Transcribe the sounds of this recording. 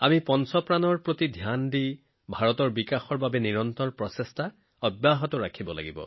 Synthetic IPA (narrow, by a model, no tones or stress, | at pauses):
amipɔnsɔpɹanɔɹpɹotidʱjandi | bʱaɹɔtɔɹbikaxɔɹbabɛniɹɔntɔɹpɹɔsɛstʰa | ɔbjaɦɔtɔɹakʰibɔla̰ɡibɔ̰